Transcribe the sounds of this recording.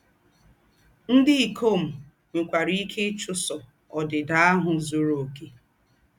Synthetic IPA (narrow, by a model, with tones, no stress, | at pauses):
n̩˦dɪ˦i˨kʰo˦˨m̩˨ | ŋʷe˨kʷa˨ɾi˦kʰe˦t͡ʃʊ˦sɔ˨ | ɔ˨dɪ˨da˦a˦ɦʊ˨zo˨ɾo˨ke˨